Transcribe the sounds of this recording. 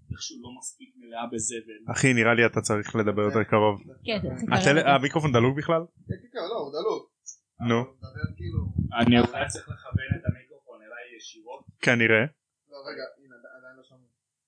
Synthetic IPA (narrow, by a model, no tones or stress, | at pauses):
eχʃɛulomaspik̚meleabezeveaχiniʁaliat̪at͡saʁiχle̞d̪abe̞jot̪ekaʁo̞vkat̪eleamikʁo̞fond̪aluɡbiχlal | keloud̪aluɡ | nubekiluanit͡siχleχabenet̪amikʁofonelajjeʃiʁotkaniʁe | oeɡaid̪ad̪ajnloʃam